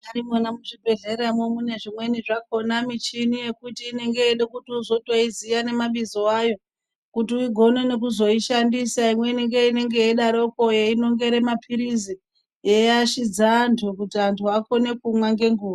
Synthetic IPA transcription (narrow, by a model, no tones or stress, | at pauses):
aɾimanamuʐibʱe̞ɮe̞ɾamwomune̞ʐimwe̞niʐak̚o̞namit͡ʃinije̞kutiːne̞ŋɡe̞eɗekutiuzo̞taizijane̞maɓizoajo̞ | kutiuiɡʱo̞ne̞ne̞kuzo̞iʃandisaimwe̞ine̞ŋɡe̞ine̞ŋɡe̞jeɗaɾo̞ko̞jeino̞ŋɡe̞ɾe̞mapʰiɾizi | jejaʃid͡zaːntʰukutiantʰuako̞ne̞kumwaŋɡe̞ŋɡuːʋa